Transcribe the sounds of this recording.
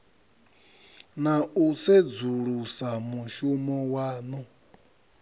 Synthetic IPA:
nausɛd͡zuɺusamuʃumɔwaːnɔ

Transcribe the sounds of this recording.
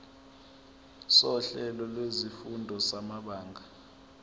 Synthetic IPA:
sɔɬɛlɔlwezifundʱɔsamaɓaːŋɡʱa

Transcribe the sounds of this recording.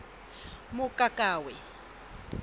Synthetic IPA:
mʊkʼakʼaːwɛ

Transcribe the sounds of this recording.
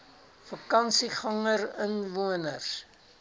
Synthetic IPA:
fɐkɐnsiχɐŋərənvuənərs

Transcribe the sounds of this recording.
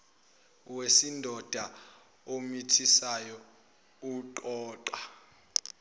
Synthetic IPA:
wesindʱɔd̥ʱa | omitʰisajɔ | uǃɔːǃwa

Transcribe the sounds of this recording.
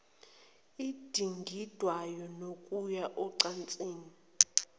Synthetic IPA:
id̥ʱiŋɡʱid̥ʱwajɔnokʼujaʔɔǀant͡sʼeːni

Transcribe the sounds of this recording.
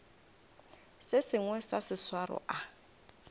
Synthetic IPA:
sɪsɪŋwɛsasɪswarɔ̰ʔa

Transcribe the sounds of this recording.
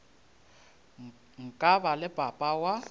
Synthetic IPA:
ŋ̩kʼabalɪb̥ʱapʼawa

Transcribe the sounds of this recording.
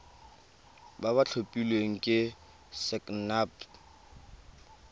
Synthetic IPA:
babat͡ɬʰopʼilweŋ̩kʼɪ | sɛkʼnap

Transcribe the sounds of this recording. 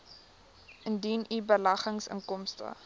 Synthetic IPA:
ʔəndinibəlɐχəŋsə̰ŋkɔmstə̰

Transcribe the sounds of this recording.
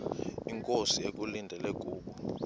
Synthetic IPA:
iŋkʼosiek̬ʼulindʱɛlɛɡ̥ʱuːɓu

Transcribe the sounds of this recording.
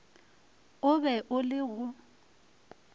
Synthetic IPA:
ʊbɛʔʊlɪɣʊ

